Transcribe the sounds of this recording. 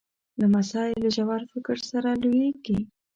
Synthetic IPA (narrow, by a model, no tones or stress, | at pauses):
d̪əmasɑɪlːaʒawaɾfɪkəɾsaɾaljeɡi